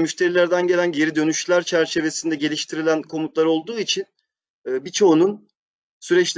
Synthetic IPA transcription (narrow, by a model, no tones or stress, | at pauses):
myʃt̪ʰe̞ɾilʲæɾd̪ænɟelʲænɟe̞ɾid̪ø̞nyʃlʲæɾt͡ʃʰæɾt͡ʃʰe̞ve̞sind̪ɛɟe̞lʲiʃt̪ʰiɾilʲænkʰo̞mut̪lˠaɾo̞lˠd̪uːit͡ʃʰinː | bit͡ʃʰo̞unun | syɾɛt͡ʃlʲ